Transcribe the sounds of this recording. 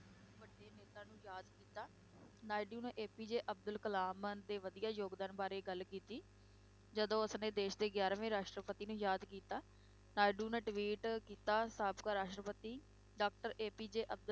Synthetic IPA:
ʋəɖːeːneːt̪ãːnũːjaːd̪kiːt̪aː | naːɪɖuːnẽːʔeːpiːd͡ʒeːʔəb̚d̪əlkəlaːmənd̪eːʋəd̪ijaːjoːɡd̪aːnbaːɾeːɡəlkiːt̪iː | d͡ʒəd̪õːəsnẽːd̪eːʃd̪eːɡjaːɾaʋẽːɾaːʃʈɾəpət̪iːnũːjaːd̪kiːt̪aː | naːɪɖuːnẽːʈʋiːʈkiːt̪aːsaːbkaːɾaːʃʈɾəpət̪iː | ɖaːk̚ʈəɾeːpiːd͡ʒeːʔəb̚d̪ə

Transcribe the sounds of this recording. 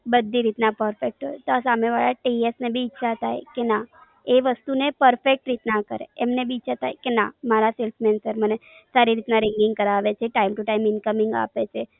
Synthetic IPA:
bəd̪ʱːiɾit̪napəɾfek̚ʈɦojt̪oasameʋaɭaʈiesnebʱiːʃʰat̪ʰajkena | eʋəst̪unepəɾfek̚ʈɾit̪nakəɾḛemnebʱiːt͡ʃʰat̪ʰajkenamaɾaselfʰmɛnsəɾməne | saɾiɾit̪naɾɪŋɡɪŋɡ̚kəɾaʋet͡ʃʰeʈaimʈuʈaimɪnkəmɪŋɡa̰pet͡ʃʰe

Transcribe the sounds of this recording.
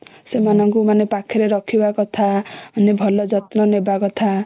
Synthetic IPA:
semanʌŋkumanepakʰːeɾeɾʌkʰibakot̪ʰaʌnebʱʌlʌd͡zʌt̪nʌnebakot̪ʰa

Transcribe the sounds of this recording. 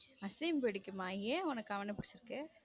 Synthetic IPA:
ɐsɛmpɪɽɪkʲːɯmaːẽːʊnɐkːɐʋɐnɐpʊɽɪt͡ʃːɪɾɯkːɯ

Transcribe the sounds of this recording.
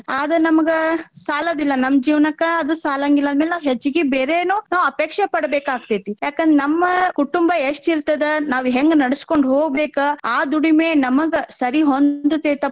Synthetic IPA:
aːd̪ɐnɐmɐɡɐsaːlɐd̪ilːɐnɐmːd͡ʒiːʋnɐkːɐɐd̪usaːlɐŋɡilːɐd̪meːlaɦet͡ʃːuɡebeːɾeːnuːnaːʋɐpeːkʂepɐɽɐbeːkaːɡ̚t̪eːt̪ijaːkend̪ɾenɐmːɐkuʈumbɐeʂʈiɾt̪ːɐd̪enaːʋuɦeŋɡnɐɽɐskoɳɖɦoːɡbeːkɐaːd̪uɽimeːnɐmɐɡɐsɐɾiɦond̪ut̪eːt̪ɐ

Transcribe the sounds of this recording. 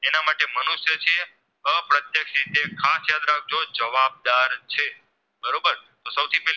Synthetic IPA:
enamaʈemənuʃjət͡ʃʰe | əpɾət̪jəkʃɾit̪ekʰasjad̪ɾak̚ʰd͡ʒod͡ʒəʋab̚d̪aɾt͡ʃʰe | bəɾobəɾ | t̪osəwt̪ʰipɛɦl

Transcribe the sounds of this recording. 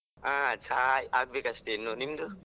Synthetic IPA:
at͡ʃʰajak̚bekastenːɔnimdu

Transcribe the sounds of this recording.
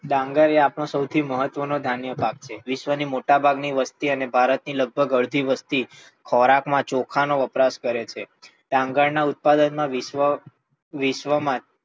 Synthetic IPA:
ɖãŋɡəɾeapɳ̃õsəwt̪ʰiməɦət̪ʋənod̪ʱanjəpak̚t͡ʃʰeʋɪʃʋənimoʈabʱaɡniʋəst̪iənebʱaɾət̪niləɡ̚bʱəɡəɭd̪ʱiʋəst̪i | kʰɔɾakmãt͡ʃokʰanoʋəpɾaskəɾet͡ʃʰe | ɖãŋɡəɭnaut̪̚pad̪ənmãʋiə | ʋɪʃʋəmã

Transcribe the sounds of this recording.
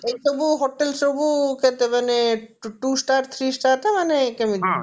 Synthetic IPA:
ejt͡ʃobuɦoʈːelt͡ʃobuket̪emaneʈusʈaɾt̪ʰɾisʈaʈamanekɛmid̪i

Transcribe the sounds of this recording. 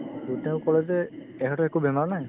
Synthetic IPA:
tutɛʊ̃kɔlɛzɛ | ɛɦɔtɔɛkubɛmaɹnaj

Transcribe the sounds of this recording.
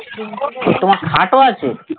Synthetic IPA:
t̪əmãkʰãʈʋat͡ʃʰe

